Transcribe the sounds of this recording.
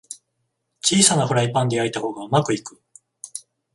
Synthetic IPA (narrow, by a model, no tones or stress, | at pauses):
t͡ɕiːsanaɸɯ̟ɾaipãnd̪e̞ait̪aho̞ːɡaɯ̟makɯ̟ikɯ̟